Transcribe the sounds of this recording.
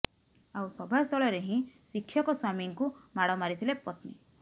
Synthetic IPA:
awsɔbʱast̪ʰɔɭɔɾeɦĩsikʰːjɔkɔswamiŋkumaɽɔmaɾit̪ʰilepɔt̪nḭ

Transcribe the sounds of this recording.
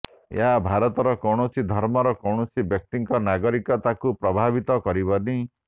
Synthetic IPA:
ḛɦabʱaɾɔt̪ɔɾɔkɔwɽ̃ɔsid̪ʱɔɾmɔɾɔkɔwɳ̃ɔsibjɔk̚t̪iŋkɔnaɡɔɾikɔt̪akupɾɔbʱabit̪ɔkɔɾibɔni

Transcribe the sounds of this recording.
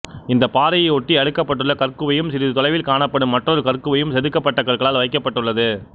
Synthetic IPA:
ɪnd̪ɐpaːɾɐjɐɔʈːiɐɽɯkːɐpːɐʈːɯɭːɐkɐrkɯʋɐjɯmsɪɾɯt̪ɔlɐɪʋɪlkaːɳɐpːɐɽɯmːɐʈrɔɾɯkɐrkɯʋɐjɯmsɛðɯkːɐpːɐʈːɐkɐɭɣɐɭaːlʋɐɪkːɐpːɐʈːɯɭːɐðɯ

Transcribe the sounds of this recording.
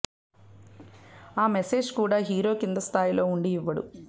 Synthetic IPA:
aːmese̞ːd͡ʒkuːɽaːɦiːɾo̞ːkind̪ɐst̪ʰaːjilo̞ːuɳɖiːʋːɐɽṵ

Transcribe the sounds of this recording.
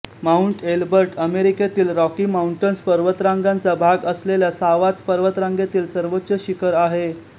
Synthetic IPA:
mauɳʈelbəɾʈəmeɾiket̪iːlɾɔkimauɳʈənspəɾʋət̪ɾãŋɡant͡sabʱaɡəsleljasaʋat͡spəɾʋət̪ɾãŋɡet̪iːlsəɾʋotːɕəɕikəɾaɦe

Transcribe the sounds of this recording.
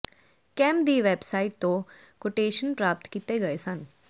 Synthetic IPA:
kɛ̃ːmd̪iːʋeːbsaːɪʈ̚t̪õː | koʈeːʃənpɾaːp̚t̪kit̪eːɡəeːsən

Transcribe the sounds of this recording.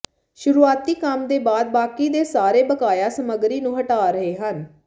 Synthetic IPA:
ʃʊɾuːaːt̪iːkəmd̪eːbaːd̪̚baːkiːd̪eːsaːɾeːbəkaːjaːsəməɡɾiːnũːɦəʈaːɾəɦeːɦən

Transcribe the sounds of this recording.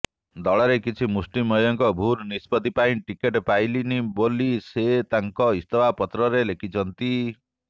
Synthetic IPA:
d̪ɔɭɔɾekit͡ʃʰimusʈimɔjɔŋkɔbʱuɾnispɔd̪ipaĩʈikeʈpajliniboliset̪aŋkɔist̪ɔwapɔt̪ɾɔɾelekʰit͡ʃʰɔnt̪i

